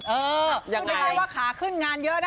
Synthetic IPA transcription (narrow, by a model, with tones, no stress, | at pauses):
ʔɤː˧˨˥a˧˩aː˥˩waː˥˩kʰaː˩˦kʰɯ˥˩nŋaː˧njɤ˦˥na˦˧